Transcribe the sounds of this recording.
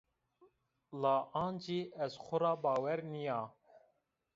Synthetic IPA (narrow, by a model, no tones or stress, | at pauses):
lɑːʔɑːnd͡ʒiːʔɛzxʷʊɾɑːbɑːwɛɾnijɑː